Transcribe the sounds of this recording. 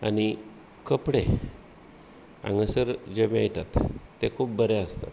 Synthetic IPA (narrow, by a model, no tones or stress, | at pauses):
añi | kəpɽe | ã̰ŋɡəsəɾd͡ʑemiajt̪at̪ːekʰuːp̚bəɾeəst̪a̰t̪